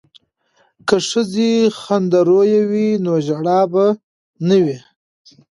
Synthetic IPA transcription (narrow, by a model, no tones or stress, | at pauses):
kəʂəzexand̪aɾojawinoʒaɽɑba | nəwi